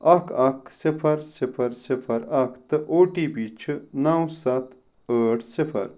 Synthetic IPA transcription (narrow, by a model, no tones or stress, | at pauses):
ɐkʰɐkʰsipʰɐɾsipʰɐɾsipʰɐɾɐkʰt̪ɨʔoːʈiːbiːt͡ʃʰnɐwsɐt̪ʰ | əːʈʰsipʰɐ̰ɾ